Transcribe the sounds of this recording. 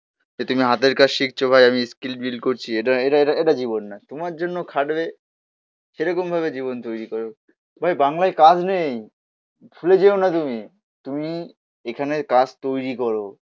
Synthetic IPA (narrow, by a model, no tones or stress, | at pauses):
d͡ʑet̪umiɦat̪eɾkat͡ɕʃik̚t͡ɕʰobʱajamiskilʈbilkoɾt͡ɕʰieʈaeʈaeʈaeʈad͡ʑiβonːat̪omaɾd͡ʑonːokʰaɖbe | ʃeɾɔkombʱaβed͡ʑiβont̪ojɾikoɾo | bʱajbaŋlaekad͡ʑnej | fʰuled͡ʑeonat̪umi | t̪umi | ekʰanekad͡ʑt̪ojɾikɔɾo